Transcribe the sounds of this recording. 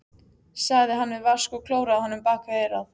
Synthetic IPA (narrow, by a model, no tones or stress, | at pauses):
saɣðɪɦanːvɪðvaskɔɣkʰloːwɾaðhanːʏmpaːkaɛːjɾað